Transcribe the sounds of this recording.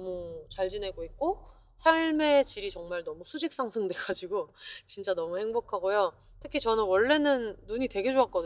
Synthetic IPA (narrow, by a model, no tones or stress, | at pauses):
mut͡ɕaɭd͡ʑine̞ɡoit̚k͈o | sʰaiɭme̞t͡ɕiɾit͡ɕʌŋmaɭnʌmusʰud͡ʑik̚s͈aŋsʰɯŋdwe̞ɡ̥ad͡ʑiɡot͡ɕint͡ɕ͈anʌmuhe̞ŋbokʰaɡojo | tʰɯkʰit͡ɕʌnɯnwʌɭːe̞nɯnːuɲitwe̞ɡe̞d͡ʑoak͈̚ʌdɯ